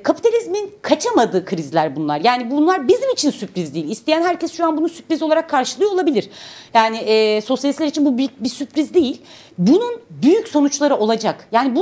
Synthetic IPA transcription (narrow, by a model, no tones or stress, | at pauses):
kʰapi̥t̪ʰalʲizminkʰat͡ʃʰamad̪ɯːkʰɯɾizilʲæɾbunlˠa̰ɾjaːnibunlˠaɾbizimit͡ʃʰinsypɾizd̪ejilʲist̪ʰɛjænhæɾcɛsʃuanbunusypɾizoaɾakʰːaɾʃɯlˠɯjolˠabilʲiɾ̥jaːnɪʔɛso̞sjalʲislʲæɾit͡ʃʰinbubyjyc̚bisypɾizd̪ejilʲ | bununbyjycso̞nut͡ʃlˠaɾɯʔo̞lˠad͡ʒakjaːnibu